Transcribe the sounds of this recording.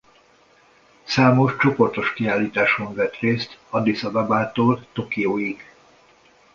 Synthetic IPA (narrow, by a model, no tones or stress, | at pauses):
saːmo̞ʃt͡ʃo̞po̞rt̪o̞ʃkiaːlːiːt̪aːʃoɱvɛt̪reːst̪ɒd̪isɒbabaːt̪oːlt̪o̞kijoːjiɡ